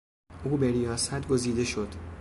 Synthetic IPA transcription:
ʔuːbeɾijɒːsæt̪ʰɡo̞ziːd̪e̞ʃo̞d̪̥

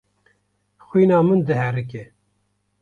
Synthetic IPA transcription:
xʷwiːnɑːmɨnd̪ɨɦɛɾɨk̬e

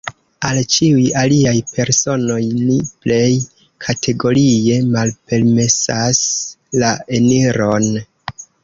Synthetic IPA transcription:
alt͡ʃiujaliajpʰe̞ɾso̞no̞jniple̞j | kʰatʰe̞ɡo̞ɾie̞malpe̞lme̞saslae̞niɾo̞n

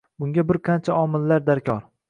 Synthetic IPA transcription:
bʊŋɡʲabɪɾqʰɑnt͡ʃʰaɒmɪlːaɾd̪aɾkʲʰɒɾ

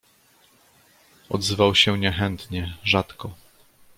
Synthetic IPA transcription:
ɔ̰d̪zɘvawɕɛɲɛxɛnt̪ɲɛʐat̪kɔ

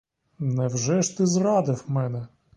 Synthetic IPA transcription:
nɛwʒɛʃt̪ɪzrɑd̪ɪfmɛnɛ

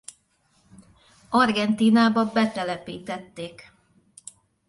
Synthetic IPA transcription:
ɒrɡɛnt̪iːnaːbɒbɛt̪ɛlɛpiːt̪ɛt̪ːeːk

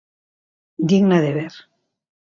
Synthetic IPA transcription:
d̪iɣnaðeβeɾ

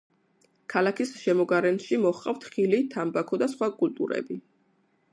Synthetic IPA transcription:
kʰalakʰisʃɛmɔɡaɾɛnʃimɔχqʼa̰ft̪ʰχilit̪ʰambakʰɔd̪asχwakʼult̪ʼṵɾɛ̰bi

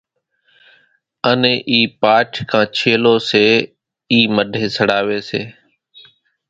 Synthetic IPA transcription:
ənẽːʔiːpaːʈʰkʰãːt͡ʃʰeːloːseː | iːməɖʱeːsəɽaːʋeːseː

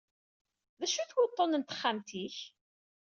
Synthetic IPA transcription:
ðæʃuθwʊt̪ˤːonənt̪ə̥χːamt̪iç

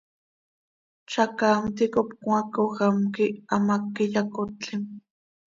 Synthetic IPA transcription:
t͡ʃakaːmt̪ikopkw̃akoxamkiamakːiʎakot̪t͡ɬim

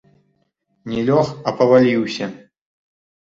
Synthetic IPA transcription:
nʲɛlʲoxɐpɐvɐlʲiwsʲɐ

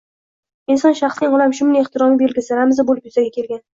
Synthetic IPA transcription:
ɪnsɒnʃaχsɪŋɒlamʃʊmnɪeχt̪ʰɪɾɒmɪbeɾlɡʲɪsɪɾamɪzabolɪpjʊzaɡʲakʲʰe̞lɡʲan

